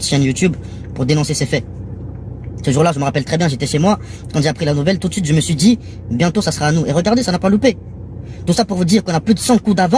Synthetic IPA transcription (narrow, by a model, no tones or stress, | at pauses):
ʃɛ̃njut̪yb | puʁd̪enɔ̃sesefɛ | səʒuʁlaʒəməʁapɛlt̪χɛbjɛ̃ʒet̪ɛʃemwa | kɑ̃t̪ʒeapχilanuvɛlt̪ut̪sɥit̪ʒəməsɥid̪i | bjɛ̃t̪osasəʁaːnueʁəɡaʁd̪esanapalupe | t̪usapuʁvud̪iʁkɔ̃napød̪əsɑ̃kud̪avɑ̃